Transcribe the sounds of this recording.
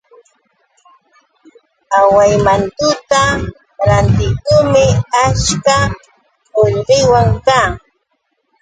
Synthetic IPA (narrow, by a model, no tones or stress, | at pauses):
awajmant̪ʊt̪a | ɾant̪ɪkʊmɪat͡ʃka | oʎɢɪjwaŋkaː